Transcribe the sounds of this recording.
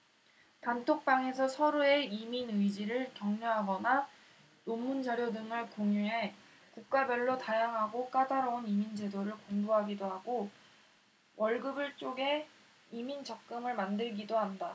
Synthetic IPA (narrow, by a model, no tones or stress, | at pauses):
tantʰok̚p͈aŋe̞sʰʌsʰʌɾoe̞iminɯid͡ʑiɾɯɭkjʌŋɲoɦaɡʌna | nomːund͡ʑaɾjodɯŋɯɭkoŋjuɦe̞ | kuk̚k͈abjʌɭːotajaŋɦaɡok͈adaɾʌunimind͡ʑe̞doɾɯɭkoŋdoɦaɡidoɦaɡo | wʔʌɭɡɯbɯɭt͡ɕ͈oɡe̞ | imint͡ɕʌk̚k͈ɯmɯɭmandɯɭɡidoɦanda